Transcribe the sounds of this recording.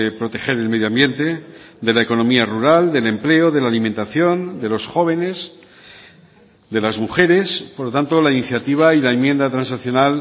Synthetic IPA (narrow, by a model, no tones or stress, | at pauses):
epɾo̞t̪e̞xe̞ɾelmeðjoambje̞nt̪e̞ | d̪e̞laeko̞nõ̞miaruɾald̪e̞le̞mple̞oðe̞laːlimẽnt̪aθjo̞nd̪e̞lo̞sxo̞β̞e̞ne̞s | d̪e̞lazmuxe̞ɾe̞spoɾlot̪ant̪olainiθjat̪iβ̞ailaemjẽ̞nd̪at̪ɾansaθjo̞nal